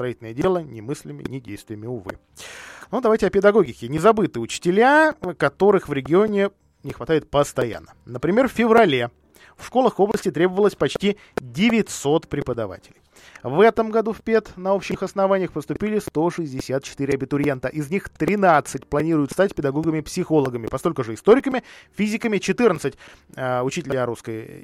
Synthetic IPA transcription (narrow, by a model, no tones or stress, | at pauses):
st̪ɾɐitʲlnəjədʲe̞lˠənʲɪmɨsʲlʲɪmʲɪ̰nʲɪdʲḛjst̪vʲɪjəmʲɪʊvɨ̰ | nud̪ɐvajʲtʲɪɐpʲɪd̪ɐɡo̞ɡʲɪkʲɪnʲɪzɐbɨt̪ɨjəʊt͡ɕɪ̥tʲɪlʲjakɐt̪o̞ɾɨxvɾʲɪɡʲɪo̞nʲɪ | nʲɪxvɐt̪ajɪt̪̚pəst̪ɐja̰nːənəpɾʲɪmʲe̞rffʲɪvɾɐlʲe | fʂko̞lˠəxo̞blˠəsʲtʲɪt̪ɾʲe̞bəvəlˠəsʲpɐt͡ɕtʲi | dʲɪvʲɪtʲso̞t̪pɾʲɪpəd̪ɐva̰tʲɪlʲɪj | vɛt̪əmɡɐd̪ufʲpʲet̪nɐo̞pɕɪxɐsnɐvanʲɪjəxpəst̪ʊpʲilʲɪst̪o̞ʂɨzʲdʲɪsʲat̪̚t͡ɕɪ̥t̪ɨɾʲɪɐbʲɪt̪ʊɾʲɪent̪əʔɪznʲixt̪ɾʲɪnat̪sɨtʲplˠɐnʲiɾʊjʊt̪st̪atʲpʲɪd̪ɐɡo̞ɡəmʲɪpsʲɪxo̞lˠəɡəmʲɪpɐsko̞lʲkʊʐɨɪst̪o̞ɾʲɪkəmʲɪfʲizʲɪkəmʲɪt͡ɕɪt̪ɨrnət̪sɨtʲʊt͡ɕitʲɪlʲjaɾuskəj̰